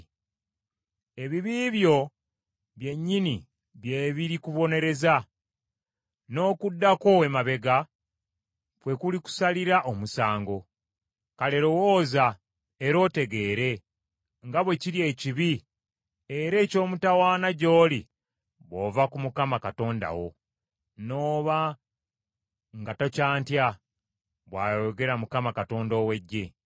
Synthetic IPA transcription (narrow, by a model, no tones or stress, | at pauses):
e̞βiβiːβjo̞ | βje̞ɲːini | βje̞ːβiɾikuβo̞ne̞ɾe̞za | no̞ːkudːako̞emaβe̞ɡa | pwe̞kuliku̥saliɾaʔomusaːŋɡo̞ | kale̞ɾo̞woːza | eɾo̞ːte̞ɡe̞ːɾe̞ | ŋɡaβwe̞ciɾje̞ːciβi | eɾe̞ːco̞ːmutawaːnaɟo̞ːli | βo̞ːvakumukamakato̞ːnda̰wo̞̰ | no̞ːβa | ŋɡatocaːntja | βwaːjjoɡe̞ɾamukamakato̞ːndo̞ːwe̞ɟːe̞